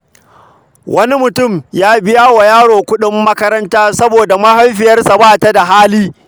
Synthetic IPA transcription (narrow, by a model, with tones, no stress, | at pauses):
wʔɐ˦ni˦mʊ˨tʊ˦˨mjaː˦bɪ˦jaː˦wa˨jaː˦ɽoː˨kʷʊ˦ɗɪ˦mːɐ˦kɐ˦ɾɐ˦ntaː˦sɐ˦boː˨da˨mɐ˦hɐ˦mɸɪ˨jɐ˦rsa˨baː˦˨ta˦da˨ɦaː˦liː˦